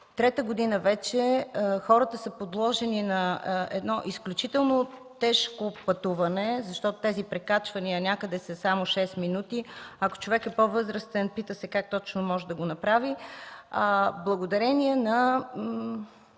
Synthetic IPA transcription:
t̪ɾɛt̪əɡod̪inəvɛt͡ʃɛxɔɾət̪əsəpod̪lˠɔʒɛninɐɛ̰d̪nɔʔisklʲut͡ʃit̪ɛlˠnot̪ɛʃkopɐt̪uvɐnɛzɐʃt̪ɔt̪o̥t̪ɛzipɾɛkat͡ʃvɐniənʲakəd̪ɛsəsamoʃɛsminut̪iɐko̥t͡ʃovɛkɛpovɤzɾəst̪ɛnpit̪əsɛkak̚t̪ɔt͡ʃnomɔʒɛd̪ɐɡonɐpɾavi | blˠəɡod̪ɐɾɛniɛnɐ

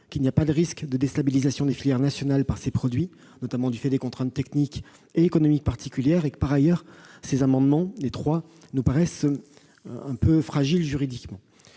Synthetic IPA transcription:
kilnijapad̪əʁiskd̪əd̪est̪abilizasjɔ̃d̪efiljɛʁnasjɔnalpaʁsepχɔd̪ɥi | nɔt̪amɑ̃d̪yfɛd̪ekɔ̃t̪χɛ̃t̪ːɛknik | eːkɔnɔmik̚paʁt̪ʰikʲyljɛʁekə̥paʁajœʁsezamɑ̃d̪mɑ̃let̪χwa | nupaʁɛs | ɛ̃pøfχaʒilʒyʁid̪ikmɑ̃

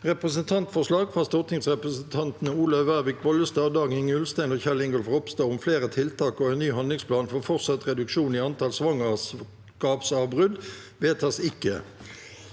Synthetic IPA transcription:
ʁɛpʁəsənt̪ʰɑnt̪fɔʂlɑːɡfʁɑːst̪ʊʁt̪ʰɪŋsʁɛpʁəsənt̪ʰɑnt̪nəuːlœʋæʁbɪk̚bɔləst̪ɑːd̪ɑːɡɪŋʉlst̪æɪnoːçælɪŋɡɔlfʁɔpst̪ɑːʊmfleːʁət̪ʰɪlt̪ʰɑːkɔɛɪnnyːɦɑnd̪lɪŋspʰlɑːnfɔʁfɔʁtsɑt̪ʁɛd̪ʉkʂuːniːɑnt̪ʰɑːlsʋɑŋɑs | kɑːpsɑːʋbʁʉd̪ | ʋeːt̪ʰɑsɪkːə

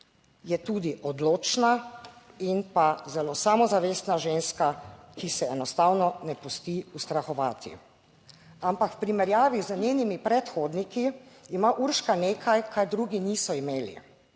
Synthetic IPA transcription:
jɛt̪uːd̪iʔɔd̪loːt͡ʃna | inpazɛlosamɔzaʋeːsnaʒeːnskakʰisɛɛnɔst̪aːwnɔnɛpust̪iust̪ɾaxɔʋaːt̪ʰḭ | ampakwpɾimɛɾjaːʋizəneːnimipɾɛt̪xoːd̪nikiimaʔuɾʃkaneːkʰajkʰaɾd̪ɾuːɡiniːsɔimeːlḭ

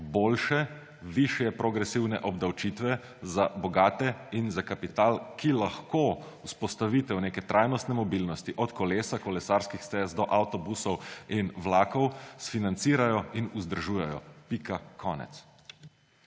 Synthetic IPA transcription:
boːlʃɛ | ʋiʃjɛpɾɔɡɾɛsiwnɛ̰ʔɔbd̪awt͡ʃit̪ʋɛ | zabɔɡaːt̪ɛinzakapit̪aːlkilaxko | uspɔst̪aʋit̪ɛwneːkɛt̪ɾʔajnɔst̪nɛmɔbilnɔst̪iʔɔt̪kɔleːsakɔlɛsaɾskixst̪ɛzd̪ɔʔawt̪ɔbusɔwinwlaːkɔwsfinant̪siːɾajɔinuzd̪əɾʒuːjɛjɔ̰pikakʰɔ̰ːnɛ̰t̪s

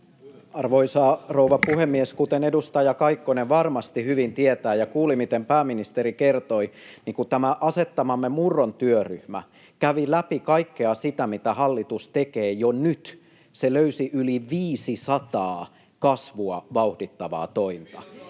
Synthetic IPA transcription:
ɑrʋoisɑːrouʋɑpuhemːieskut̪enedust̪ɑjɑkɑikːoneʋɑrmɑst̪ihyʋint̪iet̪æːjɑkuːlimit̪empæːminist̪eɾikert̪oiniŋkut̪æmæʔɑset̪ːɑmɑmːemurːont̪yøryhmæ̰ | kæʋilæpikɑikːeɑsit̪æmit̪æhɑlːit̪ust̪ekeːjonyt̪ | seløysiʔyliʋiːsisɑt̪ɑː | kɑsʋuɑʋɑuhdit̪ːɑʋɑ̰ːt̪oint̪ɑ̰

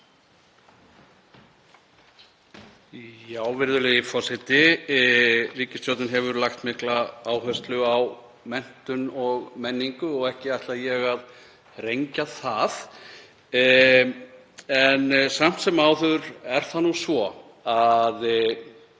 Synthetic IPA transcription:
jaːwvɪɾðʏlɛjɪfɔsɪt̪ɪ | riːcɪst̪jɔwt̪nɪnɦɛvʏɾlaxt̪mɪhklaaːwɦœst̪lʏaw | mɛn̥t̪ʏnɔɣmɛnːiŋkʏɔɣɛhcɪajht̪lajɛɣað | rejɲcaθað | ɛnsam̥t̪sɛmawθʏðʏɾɛɾ̥θanːusvɔ | að

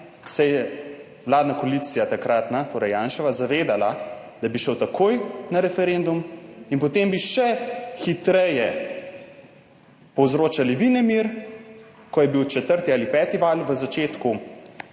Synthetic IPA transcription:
sɛjɛ | ʋlaːd̪nakoaliːt̪sijat̪akɾat̪nat̪oːɾɛjːaːnʃɛʋazaʋeːd̪alad̪̥abiʃəwt̪akʰoːjnaɾɛfɛɾend̪uminpɔt̪eːmbiʃɛxit̪ɾɛjɛ | pɔwzɾoːt͡ʃaliʋinɛmiɾ | kɔjɛbiwt͡ʃɛt̪əɾt̪iaːlipɛːt̪iʋaːlʋəzat͡ʃeːt̪ku

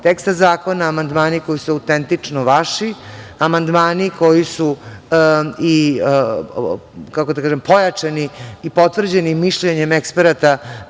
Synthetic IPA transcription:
t̪ekst̪azaːko̞naːmand̪maːniko̞jisuaut̪ent̪it͡ʂnoʋaʂi | amand̪maːniko̞jisu | i | kako̞d̪akaːʒempo̞jat͡ʂaniːpo̞t̪vr̩d͡ʑenimːiʃʎeɲemekspeɾat̪a

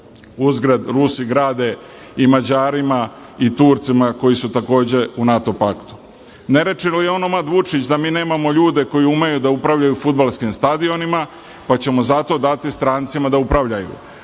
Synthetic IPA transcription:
uzɡɾad̪ɾusiɡɾaːd̪e̞ | imad͡ʑaːɾima | it̪uːɾt̪simako̞jisut̪ako̞ːd͡ʑe̞unat̪o̞pakt̪u̥ | ne̞ɾe̞t͡ʃilieo̞nomad̪ʋut͡ʂit͡ɕd̪amiːne̞ːmamo̞ʎuːd̪e̞ko̞jiumejud̪aupɾavʎajufud̪balˠskimst̪ad̪io̞nima | pat͡ɕe̞mo̞zat̪o̞d̪at̪ist̪ɾaːnt̪simad̪aupɾaʋʎajṵ

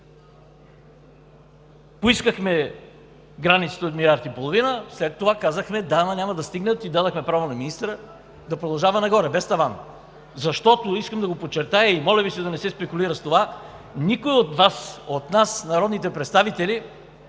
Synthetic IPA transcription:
poiskəxmɛ | ɡɾanit̪sə̥t̪əot̪milʲaɾt̪ipolˠovinəslɛt̪ːovakazəxmɛd̪aːmanʲamɐd̪ɐst̪iɡnət̪id̪ad̪əxmɛpɾavonɐminist̪ɾə | d̪ɐpɾod̪ɐlˠʒavɐnɐɡɔɾɛbɛst̪ɐvan | zɐʃt̪ɔt̪oiskəmd̪ɐɡopot͡ʃːɛɾt̪ajɐimɔlʲɛbisɛd̪ɐnɛsɛspɛkuliɾəst̪ova | nikojot̪vasot̪nasnɐɾɔd̪nit̪ɛpɾɛt̪st̪avit̪ɛli

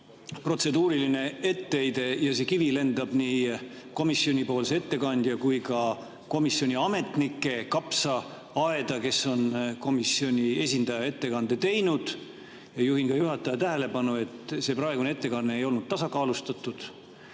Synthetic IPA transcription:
pro̞t̪se̞d̪uːɾiline̞e̞t̪ːe̞jd̪e̞jɑse̞kivile̞nd̪̥ɑb̥niː | ko̞misːio̞nʲipo̞ːlsee̞t̪ːe̞kɑnd̪̥jɑkujkɑ | ko̞misːo̞nʲiɑme̞t̪nikːˑe̞kɑpsɑ | ɑe̞d̪̥ɑke̞sːo̞nko̞misːio̞nʲie̞sʲind̪̥ɑjɑe̞t̪ːe̞kɑnd̪̥e̞t̪e̞jnud̪̥ | jɑjuɦinkɑjuɦɑt̪ːˑɑjɑt̪æɦele̞pɑnue̞t̪se̞prɑe̞ɡunee̞t̪ːe̞kɑnːe̞ejo̞lnud̥̪̚t̪ɑsɑkɑːlust̪ɑt̪ːˑud̪̥

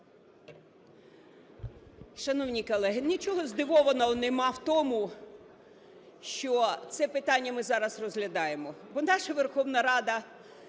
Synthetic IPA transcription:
ʃɐnɔwnʲikɔlˠɛɦɪnʲit͡ʃɔɦɔzd̪ɪʋɔʋɐnɐɔnemɑwt̪ɔmʊ | ʃt͡ʃɔt̪sɛpɪt̪ɑnʲːɐmɪzɑɾɐsrɔzɦlʲɐd̪ɑjemɔbɔnɑʃɐʋerxɔʋnɐɾɑd̪ɐ

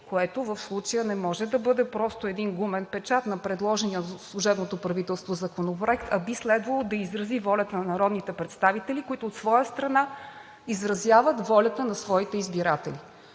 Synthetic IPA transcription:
koɛt̪ovəfslˠut͡ʃəjənɛmɔʒɛd̪ɐbɤd̪ɛpɾɔst̪oɛd̪inɡumɛnpɛt͡ʃat̪nɐpɾɛd̪lˠɔʒɛniəslˠuʒɛbnot̪opɾɐvit̪ɛlˠst̪vozɐkonopɾoɛkt̪ʰɐbislɛd̪vɐlˠod̪ɐizɾɐzivɔlʲɐt̪ənɐnɐɾɔd̪nit̪ɛpɾɛt̪st̪avit̪ɛlʲikoit̪oːt̪svɔjəst̪ɾɐna | izɾɐzʲjavət̪vɔlʲɐt̪ənɐsvɔit̪ɛizbiɾat̪ɛli

